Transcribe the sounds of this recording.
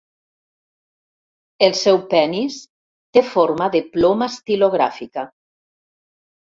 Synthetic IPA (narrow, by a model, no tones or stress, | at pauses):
elˠsɛwpɛnis | t̪efoɾmaðeplomast̪iloɣɾa̰fika